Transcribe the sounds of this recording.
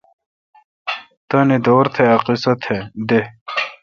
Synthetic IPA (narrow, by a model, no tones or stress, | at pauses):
t̪ɐned̪oːɾt̪ʰeɐqisɐt̪ʰed̪e